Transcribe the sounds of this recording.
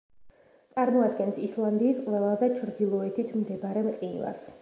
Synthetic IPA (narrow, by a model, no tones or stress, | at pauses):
t̪sʼaɾmɔad̪ɡɛnsislˠand̪iːsqʼwvɛvazɛt͡ʃʰɾd̪ilˠɔɛt̪ʰit̪ʰmd̪ɛbaɾɛmqʼinva̰ɾs